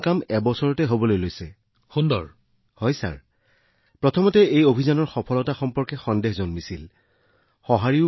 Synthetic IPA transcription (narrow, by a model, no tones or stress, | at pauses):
kamɛbɔsɔɹɔtɛɦobɔlojlojsɛ | xundɔ̰ɹ | hɔjsa̰ɹ | pɹɔtʰɔmɔtɛejobʱizanɔɹxɔpʰɔlɔtaxɔmpɔɹkɛxɔndexzɔnmisil | xɔɦaɹi